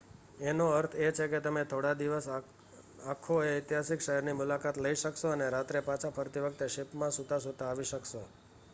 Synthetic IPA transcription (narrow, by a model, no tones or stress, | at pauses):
enoəɾt̪ʰet͡ʃʰeket̪əmet̪ʰoɽad̪iʋəs | akʰoeɪt̪jɦasikʃəɦɛɾnimʊlakat̪ləiʃəkʃoəneɾat̪ɾepãt͡ʃʰapʰəɾt̪iʋək̚t̪eʃɪpmãsut̪ãsut̪ãːʋiʃəkʃo̰